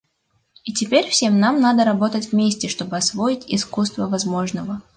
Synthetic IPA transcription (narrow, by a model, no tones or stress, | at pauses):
itʲɪpʲeɾʲfsʲe̞mnamnad̪əɾɐbo̞t̪ətʲvmʲesʲtʲɪʂt̪o̞bɨɐsvo̞ɪtʲɪskust̪vəvɐzmo̞ʐnəvə